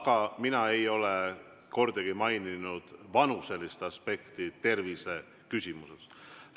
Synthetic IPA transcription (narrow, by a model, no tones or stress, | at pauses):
ɡ̥ɑminɑe̞jo̞le | ko̞rd̪eɡ̥imɑjninud̪̥vɑnuse̞list̪ɑspe̞kt̪it̪e̞rvise̞ | kysʲimuses